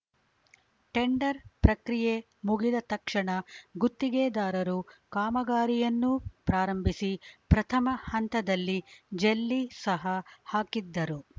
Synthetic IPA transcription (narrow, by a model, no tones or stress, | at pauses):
ʈeɳɖɐɾpɾɐkɾije | muɡid̪ɐt̪ɐkʂɐɳɐɡut̪ːiɡeːd̪aːɾɐɾukaːmɐɡaːɾijɐnːupɾaːɾɐmbʱisipɾɐt̪ʰɐmɐhɐnt̪ɐd̪ɐlːid͡ʒelːisɐɦɐhaːkid̪ːɐɾu